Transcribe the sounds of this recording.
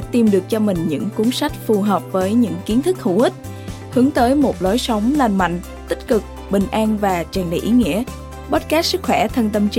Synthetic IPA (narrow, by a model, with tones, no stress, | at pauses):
t̪i˨˩mɗɨ˨˩ək̚t͡ɕɔ˧mï˨˩ŋ̟ɲɨ̰˧˥ŋkʊ˨˦ŋ͡msa˦˥jk̟̚fu˨˩ɦəː˨˩p̚vəː˨˦jɲɨ̰˧˥ŋki˨˦ənt̪ʰɨ˦˥k̚hu˧˩hi˦˥t̚ | hɨ˨˦əŋt̪əː˨˦jmo˨˩t̚lo˨˦jsə˨˦wŋ͡mlaː˧nma̰˧˨jŋ̟ | t̪ï˦˥k̟̚kɨ˨˩k̚ | ɓï˨˩ŋ̟ʔaː˧nvaː˨˩t͡ɕaː˨˩nɗə̰˧˨jʔi˨˦ŋḭ˧˥ə | ɓə˦˥t̚kaː˦˥sɨ˦˥k̚xwɛ˧˩t̪ʰə˧nt̪ə˧mt͡ɕ